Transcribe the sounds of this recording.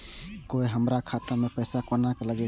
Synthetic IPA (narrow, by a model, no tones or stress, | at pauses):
kojɦəmɾakʰat̪amepəjsakɔnakelaɡɛ